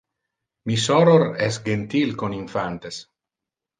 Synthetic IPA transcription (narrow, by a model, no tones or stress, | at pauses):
misɔɾoɾɛsɡent̪ilkoniɱfant̪es